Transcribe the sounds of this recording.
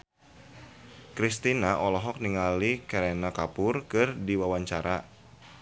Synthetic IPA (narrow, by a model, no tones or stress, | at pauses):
kɾist̪inaʔɔlɔɦɔk̚niŋalikɛɾenakapʊrkɨrdiwawaɲt͡ʃaɾʔa